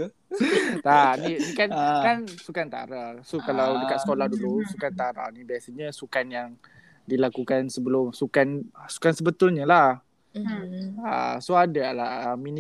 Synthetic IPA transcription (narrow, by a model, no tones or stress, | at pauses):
t̪anidikankansukant̪a̰ɾasokalawdəkat̪sə̥kolahdulusukant̪aɾa̰nibiasəɲə̃sukanjaŋ | dilakukansəbəlʊmsukansu̥kansəbət̪ʊlɲəla | ə̰soadalaəminĩ